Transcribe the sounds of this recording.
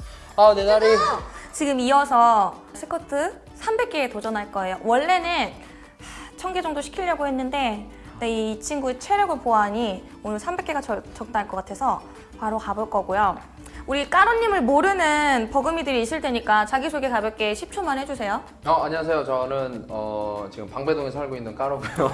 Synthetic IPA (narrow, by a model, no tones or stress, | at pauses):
anenaɾit͡ɕiɡɯmiʌsʰʌ | sʰɯ̥kʰʌtʰɯ | sʰambe̞k͈e̞ːtod͡ʑʌnaɭk͈ʌe̞jowʌɭːe̞nɯn | t͡ɕʰʌŋɡed͡ʑʌŋdoɕʰi̥kʰiʎjʌɡoɦe̞nːɯnde̞ | neit͡ɕʰinɡuet͡ɕʰwe̞ɾjʌɡɯɭpoaɲi | onɯɭsʰambe̞k͈e̞ɡat͡ɕʌt͡ɕʌk̚t͈aaɭk͈ʌk͈atʰe̞sʰʌ | paɾokaboɭk͈ʌɡojo | uɾik͈aɾoɲːimɯɭmoɾɯnɯnpʌɡɯmidɯɾiːs͈ɯɭt͈e̞ɲik͈at͡ɕaɡisʰoɡekabjʌk͈e̞ɕʰip̚t͡ɕʰumanɦe̞d͡ʑusʰe̞jo | ʌaɲiwasʰe̞jot͡ɕʌnɯnʌt͡ɕiɡɯmpaŋbe̞doŋes̬ʰaɭɡoinːɯnk͈aɾoɡujo